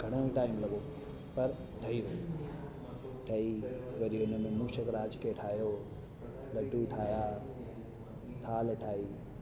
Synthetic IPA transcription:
ɡʱɐɽ̃əĩʈaːɪĩm̃lɐɡo | pɐɾ | ʈʰɐiɾɐi | ʈʰɐiʋɐɾiʊnəmẽmuːʃəkɾaːd͡ʒkʰeʈʰaːɦijoː | lɐɖuʈʰaːjaː | t̪ʰaːlʈʰaːiː

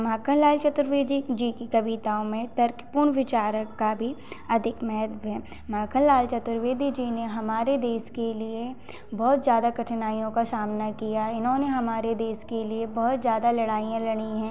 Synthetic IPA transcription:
maːkə̃nlaːlt͡ʃɐt̪ɾʋeːd͡ʒid͡ʒiːkikɐʋit̪aːõmẽt̪ɐɾkpuːɾɳʋɪt͡ʃaːɾəkːabʱiɐd̪ʱɪkmɛːɦd̪ʋɦɛː | maːkʰə̃nlaːlt͡ʃɐt̪ɾʋeːd̪ʱid͡ʒineɦɐmaːɾed̪eːskelie | bɔːt̪zjaːd̪akɐʈʰnaːijõkasaːmnakijaɪnɦõneɦɐmaːɾed̪eːskeliebɔɦʊt̪zjaːd̪alɐɽaːijãlɐɽ̃iɦɛ̃ː

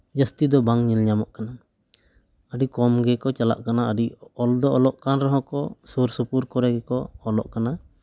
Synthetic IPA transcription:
d͡ʒəst̪id̪ɔbaŋɲɛlɲamɔʔkana | əɖikɔmɡɛkɔt͡ʃala̰ʔkanaəɖiɔld̪ɔɔlɔʔkanɾɔɦɔ̃kɔsuɾsupuɾkɔɾɛɡɛkɔːlɔ̰ʔkana

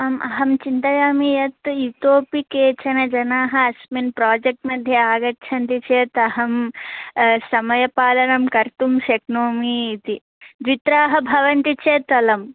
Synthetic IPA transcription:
ɐmʔɐɦɐmt͡ʃint̪ɐjaːmijɐt̪jut̪oːpikeːt͡ʃɐnɐd͡ʒɐnaːɦɐɐsminpɾaːd͡ʒek̚ʈmɐd̪ʱjɐaːɡɐt͡ʃʰɐnt̪it͡ʃeːt̪ɐɦɐm | sɐmɐjɐpaːlɐnɐmkɐɾt̪umʃeknoːmiːt̪i | d̪ʋit̪ɾaːɦɐbʱɐʋɐnt̪it͡ʃeːt̪ɐlɐm

